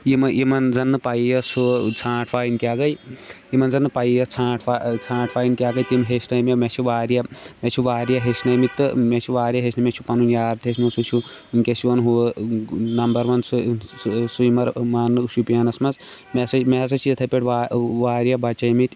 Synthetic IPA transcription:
jimɐimɐnzɐnːɨpajijɐsut͡sʰãːʈʰfaːinkʲaːɡɐjimɐnzɐnːɨpaːjjɐt͡sʰãːʈʰfat͡sʰãːʈʰfaːjnkʲaːɡɐjt̪imɦesnɐjmemet͡ʃʰuʋaːɾjɐmet͡ʃʰuʋaːɾjaɦesnɐjmik̪̚t̪ɨmet͡ʃʰuʋaːɾjɐɦesʰnɐmet͡ʃʰupɐnunjaːɾt̪ʰesnmusut͡ʃʰu | ɨŋkʲesiʋɐnɦu | nɐmbɐɾʋɐnsu | sujmɐɾmaːnːɨuʃjupijanɐsmɐz | mesɐmeɦs̬ɐt͡ʃʰijɐt̪ʰɐpʲeʈʰʋaʋaːɾjɐbɐt͡ʃɐmit̪ʲ

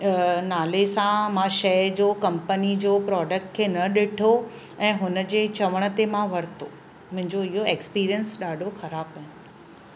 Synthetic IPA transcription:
naːlesãmãʃɐjd͡ʑoːkɐ̃mpənid͡ʑoːpɾɔːɖək̚ʈkʰeːnɐɗɪʈʰo | ɛ̃ːɦʊnəd͡ʑeːt͡ɕɐʋəɽ̃ə̆t̪emãʋɐɾt̪o | mʊ̃ɦɪ̃ɲd͡ʑoɪɦoeːkspiːɾijənsɗaːɖʱoxɐɾaːbaːɦɪnʊ

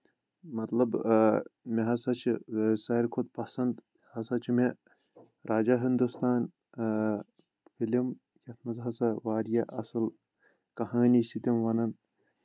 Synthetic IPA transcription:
mɐt̪lɐb | meɦɐsɐt͡ʃʰisɐɾkʰod̪̚pɐsɐnd̪ | hɐsɐt͡ʃʰime | ɾʔaːd͡ʒaːɦind̪ust̪aːn | fʰilim | jɐt̪ʰmɐzɦɐsɐʋaːɾjɐʔɐsɨl | kɐɦaːniːst̪ʰit̪imʋɐnɐn

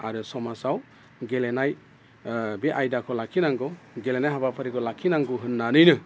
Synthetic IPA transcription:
aɾɯsɔmasaw | ɡelenaj | beʔajdakʰɔlakʰinaŋɡɔ | ɡelenajɦabapʰaɾikʰɔlakʰinaŋɡuɦɯnːanɯjnɯ

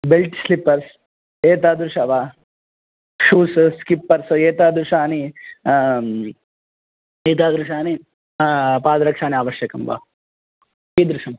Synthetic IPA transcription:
belʈslipːɐɾs | eːt̪aːd̪ɾuʂɐʋaː | ʂuːsskipːɐɾseːt̪aːd̪ɾuʂaːni | eːt̪aːd̪ɾuʃaːni | paːd̪ɐɾɐkʂaːniaːʋɐʃjɐkɐmʋa̰ː | iːd̪ɾuʂɐm

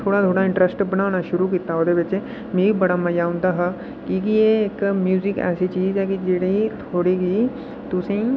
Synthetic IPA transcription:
t̪ʰoːɽat̪ʰoːɽaɪ̃ɳʈɾəsʈbɐnaːñaʃʊɾukiːt̪aɦod̪ebet͡ʃe | meːɾibɐɽamɐjaːũnd̪aɦa | kikijeːkmjuːzɪkɛ̰ːsit͡ʃiːzɦɛkid͡ʒeɽeit̪ʰoːɽiɡi | t̪ʊsẽ

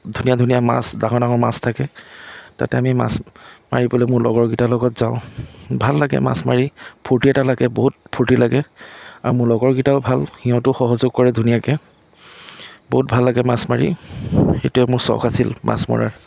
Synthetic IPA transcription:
dʱuniadʱunijama̰sdaŋɔdaŋɔɹmastʰakɛta̰tɛamima̰sma̰ɹibɔlɛmʊɹlɔ̰ɡɔɹɡitalɔɡɔtz̥aʊ̃bʱalːaɡɛ̰ma̰smaɹipʰuɹtiɛtalaɡɛboɦut̚pʰuɹtilaɡɛaɹumʊɹlɔɡɔɹɡitaʊbʱalxiɔ̃tʊxɔɦɔzʊɡ̚kɔɹɛdʱunijakɛ | boɦut̚bʱalːaɡɛmasmaɹixetʊɛmʊɹsɔ̰kasilma̰smɔ̰ɹa̰ɹ

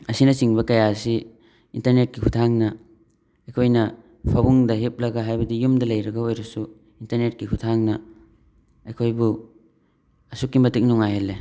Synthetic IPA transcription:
ɐsinɐsiŋbɐkɐjasi | intɐɾnet̚kikʰutʰaŋnɐ | ɐjkʰojnɐ | pʰɐbuŋdɐɦip̚lɐɡɐɦajbɐdijumdɐlɐjɾɐɡɐojɾɐsu | intɐɾnet̚kikʰutʰaŋnɐ | ɐjkʰojbu | ɐsukːimɐtik̚nuŋajelːe

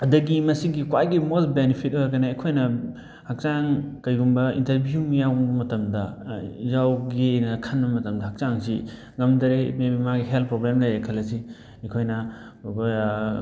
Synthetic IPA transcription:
ɐdɐɡimɐsiɡikwajɡimolbenipʰit̚oɾkɐnɐːkʰojnɐ | hak̚t͡ʃaŋkɐjɡumbɐḭntɐɾbʱjumijawɐmɐtɐmdɐjawɡijnɐkʰɐnbɐmɐtɐmdɐhak̚t͡ʃaŋsḭ | ŋɐmdɐɾemebimaɡiɦeltpɾoblemlɐjekʰɐlɐsi | ɐkʰojnɐ

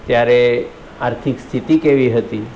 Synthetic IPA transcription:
t̪jaɾe | aɾt̪ʰikst̪ʰit̪iːkeʋiːɦət̪iː

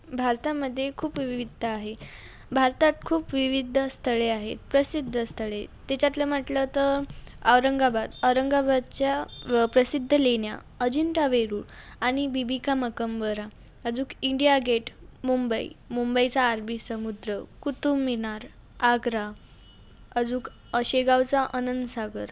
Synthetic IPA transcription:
bʱaɾt̪aməd̪ʱːjekʰuːpʋʋiʋid̪ʱaɦe | bʱaɾt̪at̪̚kʰuːpʋiʋid̪ʱəst̪ʰəɭeaɦḛt̪pɾəsid̪ʱːəst̪ʰəɭet̪ːat͡ɕjat̪ləm̤əʈlət̪əɾəʋɾəŋɡabad̪əwɾəŋɡabad̪̚t͡ɕjapɾəsid̪ʱːəleɳja̰ | əd͡ʑiɳʈaʋeɾuːɾ | aɽ̃ibibikaməkəmʋəɾa | əd͡zuːkiɳɖijaɡeʈmumbəḭmumbəjt͡saːɾbʱisəmud̪ɾəkut̪umːinaɾ | aɡɾa | əd͡zuːk | əɕeɡawt͡saʔənənd̪saɡəɾ

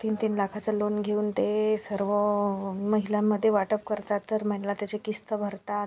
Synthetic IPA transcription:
t̪iːnt̪iːnləkʰat͡səlonɡʱeuːnt̪esəɾʋəməɦilamːəd̪ʱːjeʋaʈəp̚kəɾt̪at̪ːəɾməɳlat̪jat͡sekist̪əbʱəɾt̪at̪

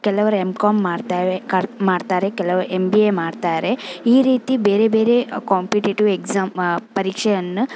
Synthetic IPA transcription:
kɛlɐʋɐɾemkaːmːaːɽt̪aːekamaːɖt̪aːɾekɛlːɐʋɐɾuʔembiemaːɽt̪aːɾe̞iːɾiːt̪ibeːɾebeːɾe̞kaːmpiʈiʈuʋekzaːmpɐɾiːkʂɛjɐnːu

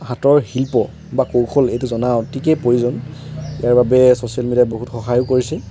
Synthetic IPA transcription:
hatɔɹhilpɔ | bakowxʰɔlejtʊzɔnaʊtʰikɛpojuzɔnijaɹbabɛsosijalmediat̚boɦutxɔxajʊkoɹisɛ

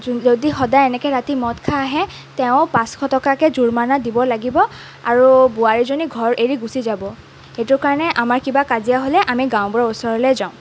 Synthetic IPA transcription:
zodixɔdajɛnɛkɛɹatimɔtkʰaːɦɛ | tɛʊ̃pãskʰɔtɔkakɛzuɹmanadibɔlaɡibɔ | aɹubuaɹizoniɡʱɔɹeɹiɡusizabɔ | xetʊɹkaɹnɛʔamaɹkibakazijaɦolɛʔamiɡãwbɔɹausɔɹɔlɛzaʊ̃

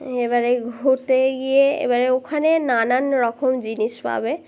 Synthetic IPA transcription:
ebaɹeɡʱot̪eɡijeḛbaɹɛokʰanenananɹɔkʰɔmd͡ʒinispa̰be

